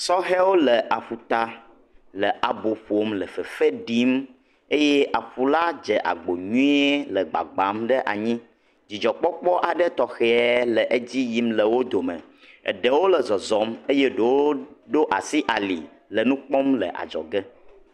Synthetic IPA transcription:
sɔ˦ɦɛ˦wo˦lə˨ʔa˨ɸu˨t̪a˨ | lə˨ʔa˨bo˨ɸo˦mlə˨fə˨fe˦ɖi˦m | e˦je˦ʔa˨ɸu˨la˦d͡ʒə˨ʔa̰˨ɡ͡bo˨ɲũ˦i˦e˦lə˨ɡ͡ba̰˨ɡ͡ba˨˦mɖə˦ʔa̰˨ɲĩ˦ | d͡ʑi˨d͡ʒɔ˨k͡pɔ˦k͡pɔ˦ʔa˨ɖə˦t̪ɔ˨xɛ˨ɛ˦lə˨ʔe˦d͡ʑi˦ji˦mlə˨wo˦d̪o˨mə̰̃˨ | ə̰˨ɖə˦wo˦lə˨zɔ˨zɔ˨˦me˦je˦ɖo˨wo˦ɖo˦ʔa̰˨si˦ʔa˨lḭ˨ | lə˨nũ˦k͡pɔ˦mlə̰˨ʔa̰˨d͡ʒɔ̰˨ɡə˦

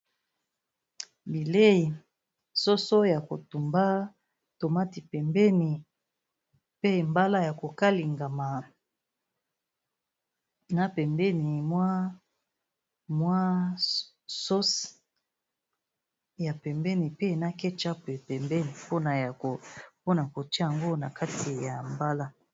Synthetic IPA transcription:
bi˨le˦i˨ | so˦so˦ja˨ko˨tu˨mba˦ | to˨ma˦ti˨pɛ˨mbɛ˦ni˨ | pe˦˨mba˦la˦ja˨ko˨ka˦li˨ŋɡa˨ma˨ | na˦pɛ˨mbɛ˦ni˨mwa˦ | mwa˦ | so˦s | ja˨pɛ˨mbɛ˦ni˨pe˦na˦kɛ˦t͡ʃa˦pe˨pɛ˨mbɛ˦ni˨po˦na˨ja˨ko˨po˦na˨ko˨ta˦ja˨ŋɡo˦na˨ka˦ti˨ja˨mba˦la˦

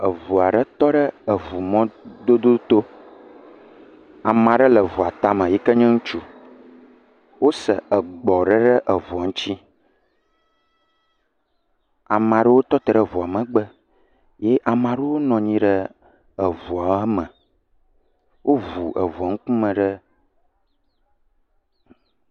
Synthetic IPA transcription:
ə˨vu˨a˨ɖə˦t̪ɔ˦ɖə˦ə˨vu˨mɔ̃˦d̪o˦d̪o˦t̪o˦ | a˨mã˨ɖə˦lə˨vu˨a˨t̪a˦mə̃˨jɛ˦kə˦ɲɛ̃˦ŋũ˦t͡ʃu˦ | wo˦sə̰˨ʔə˨ɡ͡bɔ˨ɖə˦ɖə˦ʔə˨vu˨a˨ŋ̩˦t͡ɕi˦ | a˨mã˨ɖə˦wo˦t̪ɔ˦t̪ə˨ɖə˦vu˨a˨mə̃˨ɡ͡bə˦ | je˦ʔa˨mã˨ɖe˦wo˦nɔ̃˨ɲĩ˦ɖə˦ | ə˨vu˨a˨˦mə̃˨ | wʔo˦vu˨ʔə˨vu˨a˨ŋ̩̃˦kũ˦mə̃˨ɖə˦

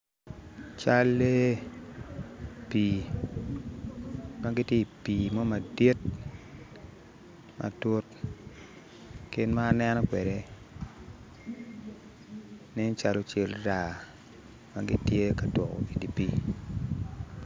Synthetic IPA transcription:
t͡ʃa˦lːe˦ | pi˨ | ma˦ɡɪ˦tje˦i˨pi˨mɔ˦ma˨di˦t̚ | ma̰˨to˦t | kɪ˦nmaː˦nɛ˦nɔ˦kwɛ˨de˨ | nɪ˦n˦t͡ʃa˨lo˦t͡ʃe˦lda˨ | ma˦ɡɪ˦tje˦ka˨dwɔ˨kɔ̰˨i˨di˨pi˦

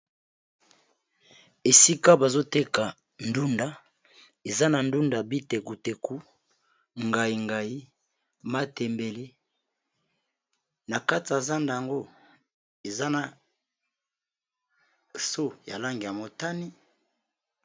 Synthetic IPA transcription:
e˨si˦ka˦ba˨zo˦te˦ka˨ | n˦du˦nda˦ | e˨za˦na˨ndu˦nda˨bi˦te˨ku˨te˨ku˦ | ŋɡa˨i˨ŋɡa˨i˦ | ma˦tɛ˨mbe˨le˦ | na˨ka˦ti˨a˨za˦nda˨ja˨ŋɡo˦ | e˨za˦na˨ | so˦ja̰˨la˦ŋɡi˨ja˨mo˨ta˦ni˦

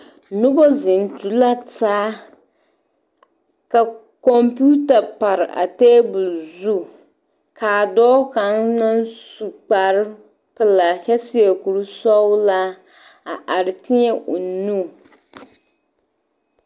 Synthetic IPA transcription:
nʊ˦bɔ˦zɪ˨n˨tu˨la˦taː˦ | ka˨ | kɔ˨mpu˦ta˨pa˨ɾɪ˨ʔa̰˨teː˦bu˨lzu˦ | kʰaː˨dɔː˦ka˨nna˦nsu˨k͡pa˨ɾɪ˦ | pɨ˦la˨t͡ʃɛ˦si˦e˨ku˨ɾu˦sɔ˦wla˦ | a˨ʔa˨ɾɪ˨tɪ˦ɲɛ˦ʔʊ˨nu˦˨

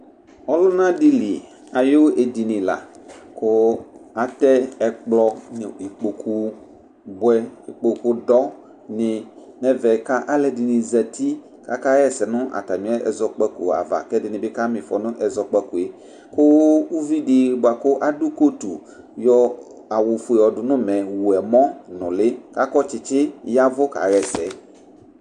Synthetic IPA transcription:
ɔ˦lʊ˦nã˦di˦li˨ | a˨jo˦ʔe˨di˨nɪ̃˨la̰˨kʊ˦a˨t̪ɛ˦ɛ˨k͡plɔ˦n˨i˨k͡po˨kʰu˦ | bʊ˦ɛ˦i˨k͡po˨ku˦dɔ˦ | nɪ̃˨ | nɛ̃˦vɛ˨ka˦ʔa˦lɛ˨di˨nɪ̃˨zɛ˨t̪i˦ | ka˦ka˦ɣɛ˦sɛ˨nʊ̃˦ʔa̰˨t̪a˨mĩ˦ɛ˦ʔɛ̰˨zɔ˨k͡pɛ˦ku˨a̰˨va̰˨kɛ˦dɪ˨nɪ̃˨bɪ˦ka˦mĩ˨fɔ˨nʊ̃˦ʔɛ˨zɔ˨k͡pɛ˦ku˨e˨ | kʊ˦wu˦vi˦dɪ˨ba˨kʊ˦ʔa˨du˦ko˦t̪u˨ | jɔ˦ | a˨wʊ˨fu˨˦e˨ɔ˨ɖʊ˨nʊ̃˦mɛ̃˨wu˨ɛ˨mɔ̃˦nʊ̃˨lɪ˦ka˦kɔ˦t͡ʃɪ˨t͡ʃɪ˦ja˦vʊ˦ka̰˨ɣɛ˨sɛ˨

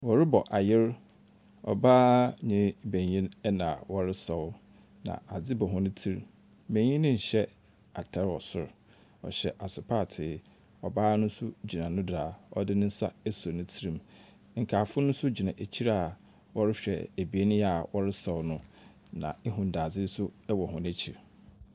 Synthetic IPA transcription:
wɔ˨ɾɪ˦bɔ˨ʔa˨jɪ˦ɾ | ɔ̰˨baː˦ɲɪ̃˦bẽ˨ɲ˨jĩ˦nɛ˦nã˨wɔ˦ɾɪ˦sa˨wʊ˦ | nã̰˨a˨d͡zɪ˦bɔ˨ɦʊ̃˦nʊ̃˦tʰi˦ɾ | mẽ˨ɲĩ˦nɪ̃˦ɲ̩˨ɕɛ˦ | a˨tʰɛ˦ɾɔ˨sʊ̰˦˨ɾ | ɔ̰˨ɕɛ˨ʔa˨sʊ˨pʰaː˦˨tʰɪ˨ | ɔ˨baː˦nʊ̃˦sʊ˦d͡ʑi˨nã˨nʊ̃˦dɾaː˨ɔ̰˦dɪ˦nʊ̃˦n̩˦sa̰˦æ˦so˨nʊ̃˦tʰi˦ɾĩ˦m | ŋ̩˨kʰaː˨fʊ˦nʊ̃˦n˦sʊ˦d͡ʑi˨nã˨ʔæ˨t͡ɕʰi˦ɾa˨ | wɔ˦ɾɪ˦ɕᶣɛ̰˨æ˨bi˨e˦nɪ̃˦ja˨wʔɔ˦ɾɪ˦sa˨wʊ˨˦nʊ̃˦ | nã̰˨e˦ɦʊ̃˨n˨da˨d͡zɪ˦n˦sʊ˦wɔ˨ɦʊ̃˦næ˦t͡ɕʰi˨ɾ

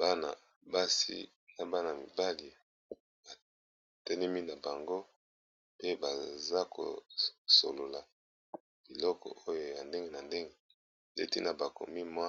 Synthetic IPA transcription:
b̥a˦na̰˨ | ba˦sḭ˦ | na˦ba˦na˨mi˨ba˦li˨ | ba˨ | tɛ˦nɛ˦mi˦na˨ba˨ŋɡo˦ | pe˦ba˨za˦kʰo̰˨so̰˨lo˨la˨ | b̥i˨lɔ˦kɔ̰˨ʔo˦jo˦ja˨nde˦ŋɡe˦na˨nde˦ŋɡe˦˨ | lḛ˦tḭ˦na˨ba˨ko̰˨mi˦mwa˦

